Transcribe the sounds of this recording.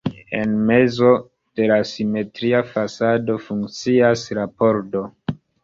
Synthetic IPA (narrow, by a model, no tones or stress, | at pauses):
e̞̰nme̞zo̞ | d̥e̞lasime̞tɾiafasado̞fuŋkt͡siasɾapo̞ɾdo̞